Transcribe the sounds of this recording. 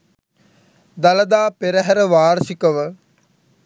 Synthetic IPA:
d̪aləd̪aːpeɾəɦɛɾəʋaːɾsikəʋə

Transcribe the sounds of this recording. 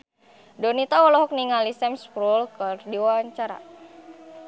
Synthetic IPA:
dɔnit̪aɔlɔɦɔk̚niŋalisɛmspɾulkərdiwaɲt͡ʃaɾa̰

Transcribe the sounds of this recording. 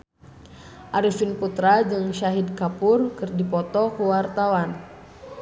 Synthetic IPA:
ʔaɾifinput̪ɾad͡ʒɨŋʃaɦidkapurkɨrdipɔt̪ɔkuwart̪awan

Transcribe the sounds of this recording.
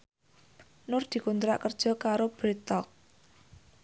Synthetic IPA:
nʊrd̪̥i̤kunt̪ɾa̰ʔkərd̥ʒ̥ɔ̤kaɾob̥ɾit̪ɔk̚

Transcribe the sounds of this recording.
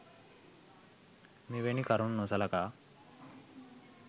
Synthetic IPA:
miʋenikaɾunnosalaka

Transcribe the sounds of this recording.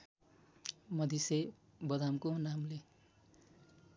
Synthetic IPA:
mʌd̪ise | bʌd̪amkonamle

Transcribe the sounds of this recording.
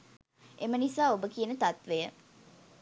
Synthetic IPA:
emənisaːobəkijənət̪at̪ʋejə

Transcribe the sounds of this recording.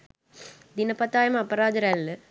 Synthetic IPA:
d̪inɐpɐt̪ːaːjɐmɐpːɐɾaːd̪ɯɾalːɛ

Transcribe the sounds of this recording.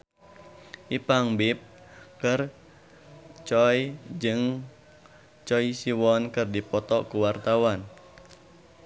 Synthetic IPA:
ʔipaŋbip̚kər | t͡ʃɔjd͡ʒɨŋ | t͡ʃɔisiwɔnkɨrdipɔt̪ɔkuwart̪awan

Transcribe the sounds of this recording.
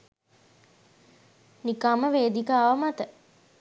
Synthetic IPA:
nikaməʋeːd̪ikaːʋəmat̪ə

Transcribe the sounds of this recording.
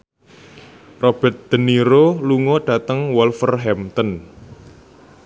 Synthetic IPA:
rob̥ɛ̤t̪̚d̪̥ə̤niɾoluŋoɖ̥ä̤t̪əŋwɔlfərɦɛmt̪ɔn

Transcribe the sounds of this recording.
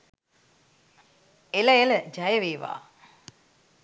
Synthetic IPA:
elɐeləd͡ʒɐjəʋeːʋa̰ː

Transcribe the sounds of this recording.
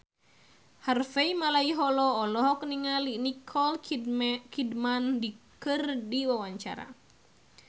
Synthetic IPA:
harfeimalaiɦɔlɔːlɔɦɔkniŋalinikʰɔl | kidmandikɨrdiwawaɲt͡ʃa̰ɾa̰

